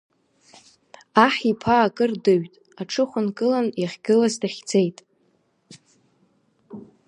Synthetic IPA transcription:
aħipʰaːkʼɨrdɨɥtʼ | aʈ͡ʂʰɨχʷʊnkʼɨlanjaχʲɡʲɪlaztʰaχʲd͡zejtʼ

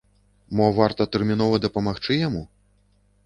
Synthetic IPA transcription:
mɔvart̪ɐt̪ɛrmʲinɔvɐd̪ɐpɐmaxt͡ʂɨjamu

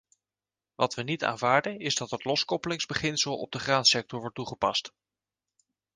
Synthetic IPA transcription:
ʋɑtʋənita̰ːnvaːɹdənɪzdɑtɦətlɔskɔpəlɪŋzbəχɪnsəlˠɔ̰b̚dəχraːnsɛk̚tɔɹʋɔɹt̚ːuχəpɑst

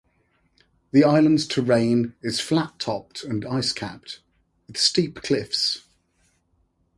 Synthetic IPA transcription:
ðiaɪlə̃ndz̥tʰəɹẽɪ̃nɪz̥flatʰɒp̚tʰə̃naɪskʰa̰p̚t | wɪð̥stiˑpkʰl̥ɪfs

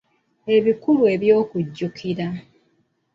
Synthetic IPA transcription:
e̞βikuβue̞βjo̞ːkuɟːukʰiɾa

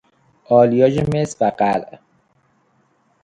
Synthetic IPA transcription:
ɒːlijɒːd͡ʒemesvæɢælʔ

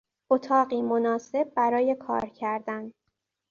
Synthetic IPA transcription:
ot̪ʰɒːɢiːmonɒːse̞b̚ːæɾɒːje̞kʰɒ̰ːɾcʰæɾd̪æn

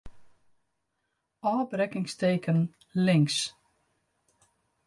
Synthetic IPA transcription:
ɔːbrɛkɪŋstejkən | lɪŋs

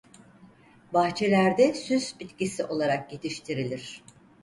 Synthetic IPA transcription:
baxt͡ʃʰelʲæɾd̪ɛsyzbit̪cisiʔo̞lˠaɾakje̞t̪ʰiʃt̪ʰiɾilʲiɾ̝̥

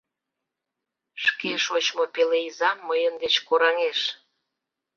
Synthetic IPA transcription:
ʃkeʃot͡ɕmopeleizɑmːəjənd̪et͡ɕkoɾɑŋeʃ

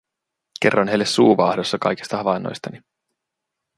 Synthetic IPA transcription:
ke̞̰rːonɦe̞jlːesːuːʋɑːhdo̞sːɑkɑ̰jki̥st̪ɑɑʋɑnːo̰jst̪ɑni

